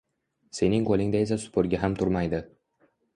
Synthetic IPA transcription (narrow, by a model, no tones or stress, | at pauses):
se̞nɪŋkʰolˠɪŋd̪aes̬asʊ̥pʰʊɾɡʲaɦamt̪ʰʊɾmajd̪ɪ